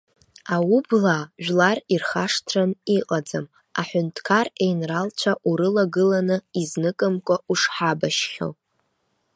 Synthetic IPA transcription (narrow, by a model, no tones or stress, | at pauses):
awublaʒᶣlarirχaʂtʰraniqʼad͡zam | aħʷʊntʰkʰare̞jnralt͡ʃʷʰaʔuɾɨlaɡɨlanɨiznɨkʼɨmkʷʼauʂħabaʃχʲo̰